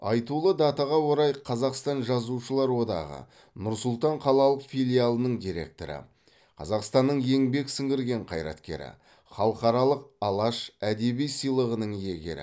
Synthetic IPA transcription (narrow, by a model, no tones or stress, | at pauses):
ɑjt̪ulˠəd̪ɑt̪ɑʁɑwo̞ɾɑjqʰɑzɑqst̪ɑnʒɑzuʃəlˠɑɾwo̞d̪ɑ̰ʁə̰ | nʊɾsʊlˠt̪ɑɴqʰɑlˠɑlˠəqfijlʲijalˠənəɴd̪ijɾe̞̰k̚t̪oɾə̰ | qʰɑ̰zɑqst̪ɑnːəɴje̞ŋbe̞ksɪŋɡʲɪɾɡʲe̞ɴqʰɑjɾɑ̰t̪kʲe̞̰ɾɪ̰ | χɑlˠəqɑɾɑlˠəq̚ɑlˠɑʃæd̪e̞bijsijlˠəʁənəɴje̞ɡʲe̞̰ɾɪ̰